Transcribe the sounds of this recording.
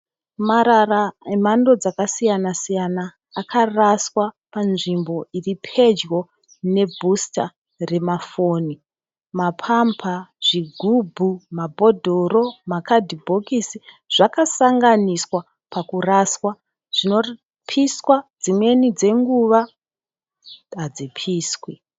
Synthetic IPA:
maɾaraemando̞d͡zakasijanasijanaː | kʰaraswa | panʐimbo̞iripʰe̞d͡ʒwo̞ | ne̞bʱusta | re̞mafo̞ːni | mapʰampʰaʐ̥iɡʱubʱumabʱo̞dʱoɾo̞makadʱibʱo̞kisi | ʐ̥akasaŋɡaniswa | pakuraswa | ʐ̥ino̞ | pʰiswad͡zimwe̞nid͡ze̞ŋɡuʋa | ad͡zipʰiːswi

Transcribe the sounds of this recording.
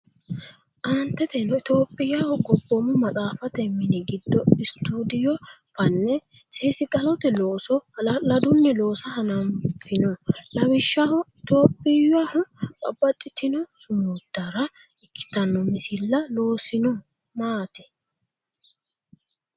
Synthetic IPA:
ʔant̪ːɛt̪ɛlɔɪt̪o̞ːpʼːɪjahɔɡɔbːɔmʊmɐt͡sʼaːfɐt̪ɛmːɪnɪɡɪd̪ːɔɪst̪ːuːd̪ɪjɔfɐnːɛ | seːsɪkʼɐlɔt̪ɛloːsɔlɐd̪ʊnːɛloːsɐhɐnɐmfɪnɔlɐwɪʃːahɔɪt̪o̞ːpʼːɪjahɔkʼɐ̰bːɐt͡ʃʼːɪt̪ɪnɔsʊmuːd̪̥ːɐɾɐ | ɪkʰːɪ̥t̪ɐnːɔmɪsɪlːɐlo̞ːsɪnɔ | maːt̪ɛ

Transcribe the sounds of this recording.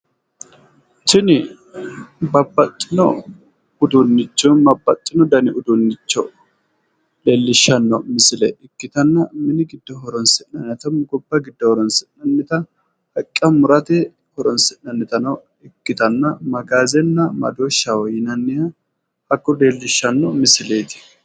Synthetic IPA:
t͡ʃɪnɪ | bɐbːɐt̪ʼːɪnɔ | ʊd̪ʊnːɪt͡ʃːɔnmɐbːɐt̪ʼːɪnɔd̪ɐnɪʊd̪unːɪt͡ʃːɔ | leːlːɪʃːɐnːɔmɪsɪlɛʔɪkːɪt̪ɐnːɐmɪnɪɡɪd̪ːɔɦɔɾɔnsɪnːɐnːɛt̪ɐmɡɔbːɐɡɪd̪ːɔhɔɾɔnsɪnːɐnːɪt̪ɐ | hɐkʼːɐmʊɾɐt̪ɛ | hɔɾɔnsɪnːɐnːɪt̪ɐnɐw | ɪkːɪt̪ɐnːɐmɐɡaːzɛnːɐmɐ̰d̪oːʃːɐwɔjɪnɐnːɪjɐ | hɐkːɔleːlːɪʃːɐnːɔmɪsɪleːt̪ɪ̥

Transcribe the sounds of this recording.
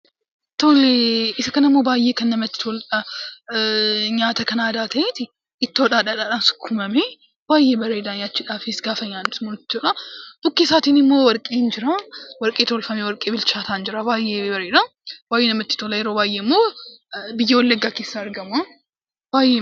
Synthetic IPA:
t̪oːleɪsɐkɐnɐmːo̞ːbaːjːeːkɐnːɐmɐt̪ːɪ̥t̪ʰoːlɐ | ɲaːt̪ɐkɐnaːd̪aːt̪ʰɐt̪ɪ | ɪt̪ːɪɔᶑaːᶑaᶑaᶑansʊ̥kʰːʊmɐme | b̥aːjːeːbɐɾeːd̪aːɲaːt͡ʃːɪᶑaːfɪsɡaːfɐɲaːnsmonɪt̪ːɪɔᶑad̥ʊkːesaːt̪inɪmːo̞ːwɔɾkʼeːnd͡ʒɪɾawɐɾkʼeːt̪ʰoːlfɐmewɔɾkʼːeːbɪlt͡ʃaːt̪ʰaːnd͡ʒɪɾabaːjːebɐɾeːd̪a | baːjenɐmɐt̪ːɪ̥t̪oːlɐjɛɾoːbaːjemːoː | bɪjːɛwɔlːɐɡːaːkeːsːaːɾɡɐma | b̥aːje

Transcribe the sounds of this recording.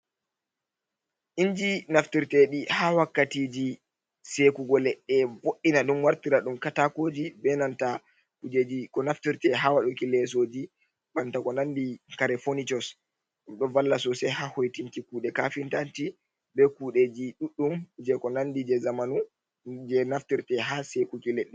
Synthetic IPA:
ʔind͡ʒinaftiɾtɛɗihawakːatiːd͡ʒi | sekuɡɔlɛɗːɛvoʔinaɗumwaɾtiɾaɗumkatakoːd͡ʒibɛnanta | kud͡ʒed͡ʒikɔnaftiɾtɛɦawaɗukilɛs̬oːd͡ʒi | bantakɔnandikaɾɛfonitɔs | ɗumɗɔvalːasɔsɛhahojtintikuːɗɛkafintanti | bɛkuːɗed͡ʒiɗuɗːumd͡ʒɛkɔnandid͡ʒɛzamanu | d͡ʒɛnaftiɾtɛɦasekukilɛɗːɛ

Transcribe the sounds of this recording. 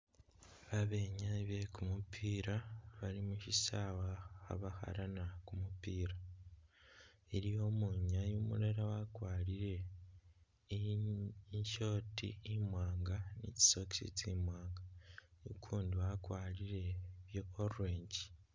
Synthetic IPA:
βaβeɲaβekumupʰiːɾaβaɾimuʃisawaha̰βaha̰ɾanakumupiːɾa | iɾijo̞muɲajumṵɾaɾawakwaːɾiɾe̞ | ɲʃo̞ːtḭimwaːŋɡanḭci̥soki̥sḭcimwaːŋɡanḭkʰuːndiwakwaːɾiɾe̞βjoːɾuɾeːɲɟi

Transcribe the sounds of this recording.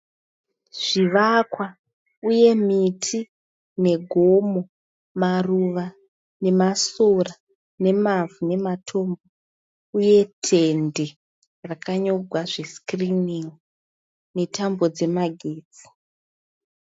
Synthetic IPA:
ʐ̥iʋakwa | uje̞mitʰi | ne̞ɡʱo̞mo | maruʋa | ne̞masora | ne̞mavune̞matʰo̞mbo | uje̞tʰende | rakaɲo̞ɡʱwaʐe̞skriniŋ | ne̞tʰambo̞d͡ze̞maɡʱeːd͡zi̥

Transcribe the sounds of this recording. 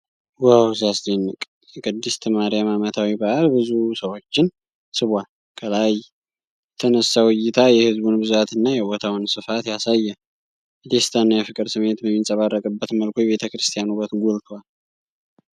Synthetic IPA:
wawzasd̪enːɨkʼ | kʰɨd̪ːist̪ʰəmaɾijamamət̪ʰawibaʔalbɨzusəwo̞t͡ʃːɪn | sɨβʷal | kʼʰəlaj | t̪ʰənəsːawɨjːɪt̪ʰajɛhɨzbunbɨzat̪ɨnːajɛbot̪ʰawnsɨfat̪jasajːɛ | d̪est̪ʰanːajɛfɨkʼɨɾsɨmːe̞t̪bəmːinsʼəβarːəkʼɨbːət̪məlkʰʷojɛβe̞t̪ʰəkɾɨst̪ʰijanuβət̪ɡolt̪ʰwal

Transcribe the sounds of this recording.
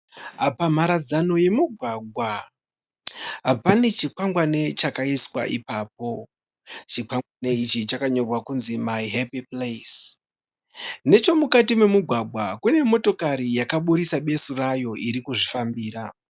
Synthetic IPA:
apam̤aɾad͡zano̞je̞muɡʱwaɡʱwa | ɦapane̞t͡ʃikwaŋɡwane̞t͡ʃakaiswa̰ʔipaːp̚o̞ | t͡ʃikwaŋwane̞it͡ʃit͡ʃakaɲo̞rwakunzimajɦepiples | ne̞t͡ʃo̞mukatime̞muɡʱwaɡʱwakune̞mo̞to̞kaɾijakaɓuɾisaɓe̞surajo̞ʔiɾikuʐifambiːɾa

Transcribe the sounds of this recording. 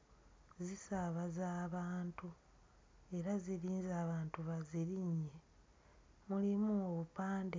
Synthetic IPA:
zisaβazaːβaːntu | e̞ɾaziɾiːnzaːβaːntuβaziɾiɲːe̞ | mulimuoβupaːnde

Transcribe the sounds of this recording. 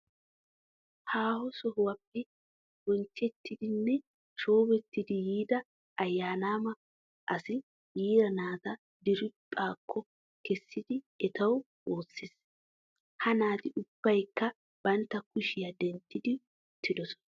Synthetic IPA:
haːhɔsɔɦʊwɐpːɛ | wɔnt͡ʃːɛt̪ːɪd̪ɪnːɛ | ʃo̞ːbɛt̪ːɪd̪ɪjiːd̪ɐ | ɐjːaːnaːmɐ | ʔɐsɪ | jiːdɐnaːt̪ɐ | d̪ɪɾɪpʼːaːkʰːɔ | kɛsːɪd̪ɪ | ɛt̪ɐw | o̞ːsːɪs | hɐnaːt̪ɪʔʊb̥ːɐjkːɐ | b̥ɐnt̪ːɐkʊʃɪjɐd̪ɛnt̪ːɪd̪ɪ | ʊt̪ːɪd̪ɔsɔ̥nɐ

